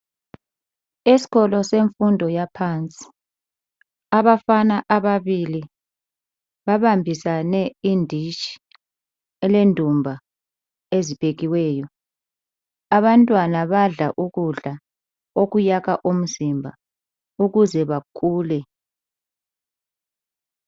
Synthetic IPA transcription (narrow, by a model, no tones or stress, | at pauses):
isi̥ɣɔlɔseɱfundʱɔjapʰant͡sʼi̥ | aβafanaʔaβaβili | βaβambʱisanɛindʱit͡ʃi̥ | ɛlendʱumbʱa | ezib̥ʱeɣiwɛːjɔ | aβantʼwanaβaɮaʔuɣuɮa | oɣujaɣaʔom̩zimbʱa | uɣuzɛβakʰuːlɛ